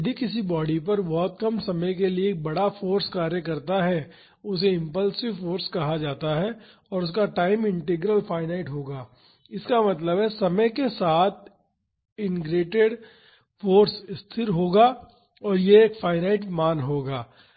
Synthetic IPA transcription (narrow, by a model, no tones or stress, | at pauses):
d̪ʱikɪs̬ibɔːɽipɐɾbɔːt̪̚kɐmsɐməjk̬elieːk̚bɐɽafoːɾskaːɾjəkɐɾt̪aɦɛ | ʊs̬eɪ̃mpəlsɪʋfoːɾskɐɦad͡ʒaːt̪aɦɛ | ɔːɾʊs̬kaʈaːɪmɪ̃ɳʈɪɡɾəlfʰaːɪnaːɪʈɦoːɡaː | ɪskamɐt̪ləbɦɛsɐməjkesaːt̪̚ʰ | ɪnɡɾeːʈeɖ | foːɾsɪst̪ʰɪɾɦoːɡaː | ɔːɾjeːkfʰaːɪnaːɪʈ̬maːnɦoːɡaː